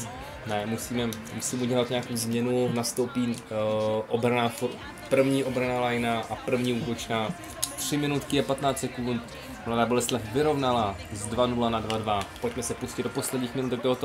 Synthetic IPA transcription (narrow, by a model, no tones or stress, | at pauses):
nɛmusiːmɛ | musiːmɛuɟɛlat̪ɲaakowzmɲɛnunast̪o̞wpiː | ʔobɾanaːfoɾ | pr̩vɲiːʔo̞bɾanalajnaʔapr̩vɲiːuːt̪ot͡ʃnaː | t̪r̥ɪmɪnut̪kɪjɛpat̪naːt͡ssɛkunt̪ | mladaːbolɛst̪lɛfvɪɾo̞vnalaːzdvanulanadvadvapo̞c̚mɛsɛpuscɪd̪̚dopo̞slɛdɲiːxmɪnut̪ɛk̚t̪oɦot̪o